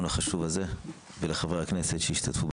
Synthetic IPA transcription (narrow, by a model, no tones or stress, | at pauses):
nhaχaʃuvaze̞ | veleχaveakne̞set̪ʃeiʃt̪at̪fub